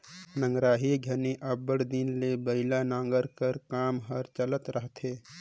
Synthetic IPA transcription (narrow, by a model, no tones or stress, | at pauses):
nə̃ŋɡɾaːɦiɡʱəneʔəbəɽd̪inlebəɪlanãːŋɡəɾkəɾkaːmɦəɾt͡ʃələt̪ɾʔəɦt̪ʰeː